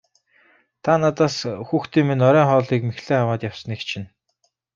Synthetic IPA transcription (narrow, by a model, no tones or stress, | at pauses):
t̪ʰanat̪aːsxuːxt̪iːmenɔɾœːŋχɔːɮiːkmexɮeːamaːt̪jawsə̆nikt͡ɕʰɪn